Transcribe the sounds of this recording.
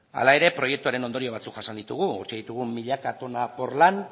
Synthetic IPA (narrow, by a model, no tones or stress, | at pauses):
a̰lae̞ɾe̞pɾo̞je̞k̚t̪uaɾe̞no̞nd̪o̞ɾio̞β̞at͡sukʝasand̪it̪uɣ̞uṵɾt͡ʃeð̞it̪uɣumiʎakat̪o̞napo̞rlan